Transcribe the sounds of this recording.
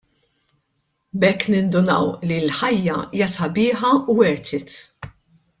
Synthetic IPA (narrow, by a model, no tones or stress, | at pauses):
bɛkːnɪnd̪ʊnɐ̰wlilħɐjːɐ̰iːjɐsɐbɪːħɐuwɛɾt̪ʰɪt̪